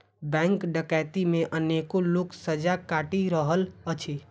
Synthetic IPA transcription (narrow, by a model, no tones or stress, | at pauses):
bɛ̃ŋkɖəkajt̪imeʔənekoloksəd͡ʒakaʈiɾəɦələt͡ʃʰe